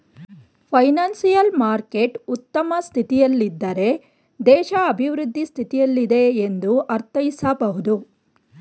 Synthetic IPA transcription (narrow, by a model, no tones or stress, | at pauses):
pʰɐjnaːnsijɐlmaːɾkeʈut̪ːɐmɐst̪ʰit̪ijɐlːid̪ːɐɾe̞ | d̪ɛːʃɐɐbʱiʋɾud̪ʱːist̪ʰit̪ijɐlːid̪e̞ːnd̪uʔɐɾt̪ɐjisɐbɐɦud̪u